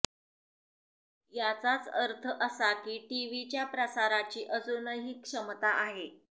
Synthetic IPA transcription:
jat͡sat͡səɾt̪ʰəʔəsakiːʈiʋit͡ɕjapɾəsaɾat͡ɕiːʔəd͡zunəɦikːʂəmt̪aʔaɦe

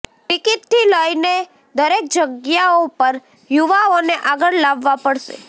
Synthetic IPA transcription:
ʈɪkɪt̪t̪ːiləine | d̪əɾek̚d͡ʒəɡjaopəɾ | juʋaoneʔaɡəɭlaʋːapəɽʃḛ

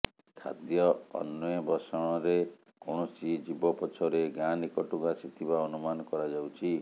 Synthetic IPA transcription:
kʰa̰d̪jɔɔ̰nːɔjɔbɔsɔɽ̃ɔɾe | koɽ̃ɔsid͡ʒibɔpɔt͡ʃʰɔɾeɡanikɔʈuɡasit̪ʰibaɔnumanɔkɔɾad͡ʒawt͡ʃʰi

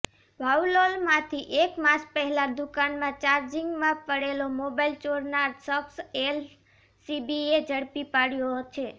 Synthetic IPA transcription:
ʋaulolmãt̪ʰiʔekmãt͡ʃpəɦɛlad̪ukanmãt͡ʃaɾd͡ʒiŋɡmãpəɽelomobajlt͡ʃoɾnaɾsəksel | sibied͡ʒəɽpipaɽjot͡ʃʰe

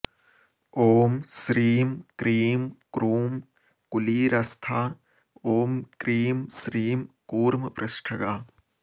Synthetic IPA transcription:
oːmsɾiːmkɾiːmkɾuːm | kuliːɾɐst̪ʰaː | oːmkɾiːmsɾiːmkuːɾmɐpɾɐʃʈʰɐɡaː

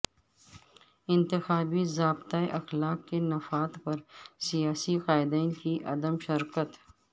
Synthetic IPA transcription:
ɪ̃nt̪ɪxaːbizaːbt̪aeʔɐxlaːkːenɐfaːt̪pɐɾsijaːsiqaːɪd̪ɛːnkiʔɐ̰d̪əmʃɪɾkət̪

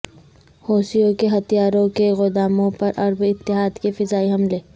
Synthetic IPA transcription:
hoːsijõkeɦɐt̪ijaːɾõkeɣʊd̪aːmõpɐɾʔɐɾbɪt̪ːɪɦaːd̪kefɪzaːiɦɐmleː

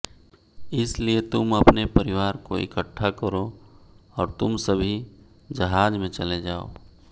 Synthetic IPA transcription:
ɪsliet̪ʊmɐpnepɐɾɪʋaːɾko̰ɪ̰kəʈʰːakəɾo | ɔːɾt̪ʊmsɐbʱi | d͡ʒɐɦaːd͡ʒmẽt͡ʃɐled͡ʒaːo̰ː

